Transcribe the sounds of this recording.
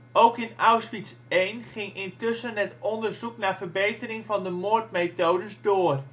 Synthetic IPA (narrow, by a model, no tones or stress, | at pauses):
owkɪnawsfitsejnχɪŋɪntʏsənɦɛtɔndəɹzuknaːvərbejtərɪŋvɑndəmoːrtmejtowdəsdoːr